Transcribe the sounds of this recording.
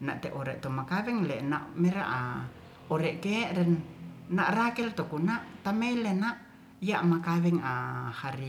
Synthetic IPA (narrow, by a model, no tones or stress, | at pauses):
naʔt̪ɛʔoɾɛʔt̪omakawɛŋlɛnaʔmɛɾa̰ʔa | oɾɛʔkɛʔɾɛnːaʔrakɛlt̪okunaʔt̪amɛilenaʔ | jaʔmakawɛŋahaɾi